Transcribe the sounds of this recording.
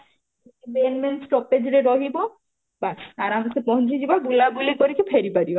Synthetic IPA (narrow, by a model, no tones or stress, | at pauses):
kebenmensʈɔped͡ʑɾeɾoɦibo | baaɾamasepɔɦnɾid͡ʑibabulabulekoɾikefʰeɾipaɾibo